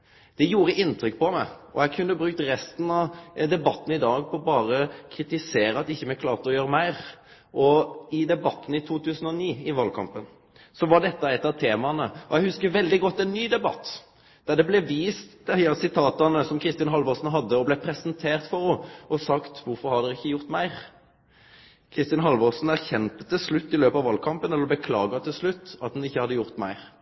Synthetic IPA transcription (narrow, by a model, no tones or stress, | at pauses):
d̪̥ɛjuːɾəʔɪnːt̪ɾʏk̚ːpɔmæɪɔ̰jæɡkʰʉnːəbɾʉk̚t̪ɾɛst̪n̩ɑd̪ɛbɑt̪ːn̩ɪd̪ɑːɡpʰɔbɑːɾəkʰɾɪt̪ɪseːɾəɑt̪ɪçːəmɛkʰlɑːʁt̪əɔjøːɾəmæɪɾ | ʔɔɪd̪ɛbɑt̪ːn̩ɪt̪ʰuːt̪ʰʉːsən̩ɔniːɪʋɑlkʰɑ̰mpən | sɔʋɑɖɛt̪ːɑɛt̪ːɑt̪ʰeːmɑnəɔjɛɪhʉskəɾʋɛld̪ɪɡɔt̪ːɛnːyːd̪ɛbɑ̰t̪ː | d̪̥æd̪ɛblɛʋiːst̪d̪æɑsɪt̪ʰɑːt̪ɑnəsɔmkʰɾɪst̪ɪɑnɦɑlʋɔsn̩ɦɑd̪ːəɔblɛpʰɾɛsənt̪ʰeːʁt̪fɔɾɔɔsɑkt̪ʋʊɾfɔɾhɑd̪ɛɾɪçːəjʊʁt̪mæɪɾ | kʰɾɪst̪ɑnɦɑlʋɔsn̩æɾçɛnt̪ət̪ɪlslʉt̪ːɪløːpɑʋɑlkʰɑmpənɛləɔbəkʰlɑːɡɑt̪ʰɪlslʉt̪ːɑt̪hʉnɪçːəhɑd̪ːəjʊʁt̪mæɪɾ